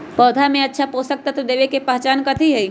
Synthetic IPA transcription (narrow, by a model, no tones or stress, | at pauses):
pɔːd̪ʱamẽɐtːʃʰapoːsək̚t̪at̪od̪eːʋekepəɦt͡ʃaːnkət̪ʰiɦɛi